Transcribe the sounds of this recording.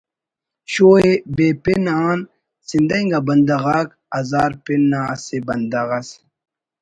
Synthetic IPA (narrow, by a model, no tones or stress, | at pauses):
ɕoːebepenaːn | sind̪ɐŋɡabɐnd̪aɣaːk | ɐzaːɾpenːaːsebɐnd̪ɐʁɐs